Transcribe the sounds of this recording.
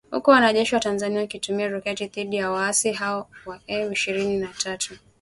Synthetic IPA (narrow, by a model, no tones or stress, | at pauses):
hṵkuwanaʄɛʃiwatanzaniankitumiaɾɔkɛtiðiɗijawaasiɦaɔwaʔɛiʃiɾininatʰatʰu